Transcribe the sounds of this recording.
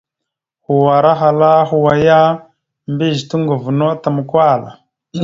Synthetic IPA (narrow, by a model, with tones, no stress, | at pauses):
hu˨wa˨ɾa˦ɦa˨la˦ɦu˨wa˨ja˦ | mbi˦˨ʒtu˦ŋɡu˨vu˨no˦ta˨mu˨kwa˦˨la̰˨